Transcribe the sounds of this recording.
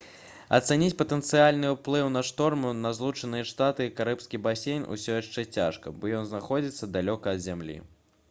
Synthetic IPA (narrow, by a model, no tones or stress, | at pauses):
ɐ̰t̪sɛnʲit͡sʲpɐt̪ɛnt̪sɨjalʲnɨwplˠɨwnɐʂt̪ɔrmunɐzlˠut͡ʂɐnɨjɐʂt̪at̪ɨkaɾɨpskʲibasʲejnʔṵsʲɔjaʂt͡ʂɛt͡sʲaʂkɐbɔjɔnznaxɔd͡zʲit̪sːɐd̪alʲɔkɐːd̪zʲamlʲḭ